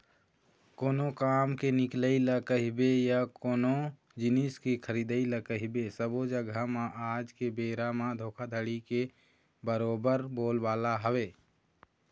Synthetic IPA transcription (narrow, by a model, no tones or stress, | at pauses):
koːnokaːmkenɪkləilakəɦɪbejakoːno | d͡ʒɪniskekʰəɾiːd̪əiləkəɦɪbesəbod͡ʒəɡamãʔaːd͡ʒkebeːɾamãd̪ʱoːkʰad̪ʱəɽike | bəɾoːbəɾboːlʋaːlaɦəweː